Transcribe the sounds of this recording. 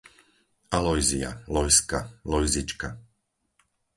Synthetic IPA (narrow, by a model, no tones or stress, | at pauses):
alɔjzia̰lɔjskalɔjzit͡ʃka